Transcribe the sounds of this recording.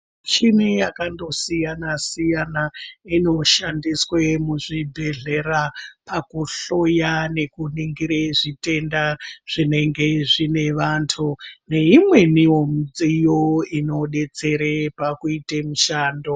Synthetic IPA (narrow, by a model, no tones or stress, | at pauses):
t͡ʃinijakando̞sijanasijanaino̞ʃandiswemuʐibʱe̞ɮe̞ɾapakuɬo̞jane̞kuniŋɡiɾeʐite̞ndaʐ̥ine̞ŋɡe̞ʐine̞ʋantʰune̞imwe̞niwomid͡zijoino̞ɗe̞t͡se̞ɾepakuitemuʃaːndo